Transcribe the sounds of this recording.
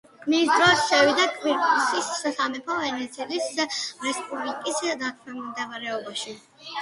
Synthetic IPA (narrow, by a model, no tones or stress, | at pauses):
misd̪ɾɔsʃɛvid̪akʼviɾt̪ʼusissamɛpʰɔvɛnɛt̪sʰiɛlisɾɛspʼublikʼisd̪akʰmɛmimd̪ɛvaɾɛɔbaʃi